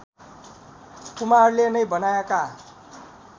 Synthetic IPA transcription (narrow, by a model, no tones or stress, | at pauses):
kumaɦʌrlenʌjbʌnaeka